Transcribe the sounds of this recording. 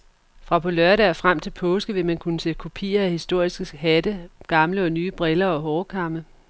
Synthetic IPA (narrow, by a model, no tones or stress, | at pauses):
fʁɑ̈pʰɔ̽lɶɐ̰ɾəæɐfʁam̰t͡sʰe̝lpʰɔ̽ːsɡ̥əʋe̝mænkʰunəsed̥̚kʰo̝pʰḭːɐæhisd̥o̝ɐ̰isɡ̥əhædəɡ̥ɑ̈mləɒ̽nyːb̥ʁɛlɐɒ̽ɦɒːkʰɑ̈mə